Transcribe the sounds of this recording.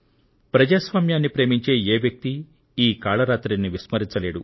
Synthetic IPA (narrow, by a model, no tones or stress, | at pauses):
pɾɐd͡ʒaːsʋaːmjaːnːipɾe̞ːmiɲt͡ʃe̞ːeːʋjɐk̚t̪i | iːkaːɭɐɾaːt̪ɾinːiʋismɐɾint͡ʃɐle̞ːɽu